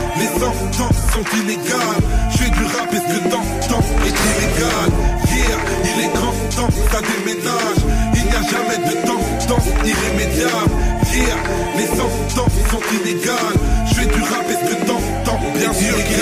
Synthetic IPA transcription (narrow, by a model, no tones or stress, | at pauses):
lezɑ̃ | t̪ɑ̃sɔ̃t̪ineɡalʒfɛd̪yʁapɛd̪ət̪ɑ̃ | t̪ɑ̃ɛt̪ileɡalviʁ | ilɛɡɑ̃ | t̪ɑ̃t̪ad̪emena | ʒilnijaʒamɛd̪ət̪ɑ̃ | t̪ɑ̃iʁemed̪jablviʁ | lesɑ̃ft̪ɑ̃sɔ̃t̪ineɡalʒfɛd̪yʁapɛd̪ət̪ɑ̃ | t̪ɑ̃bjɛ̃v